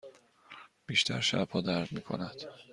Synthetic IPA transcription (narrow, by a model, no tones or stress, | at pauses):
b̥iːʃt̪ʰæɾʃæ̰bhɒːd̪æɾd̪miːkʰo̞̰næd̪̥